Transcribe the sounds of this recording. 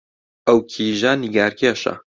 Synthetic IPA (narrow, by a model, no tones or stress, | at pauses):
ɐwkʰiːʒaniɡaːɾkʰeːʃɐ̰